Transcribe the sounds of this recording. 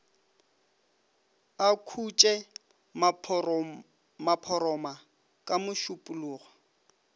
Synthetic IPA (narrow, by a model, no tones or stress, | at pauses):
akʰut͡ʃʼɛ | mapʰɔɾɔma | kʼamʊʃʊpʼʊluːɣɔ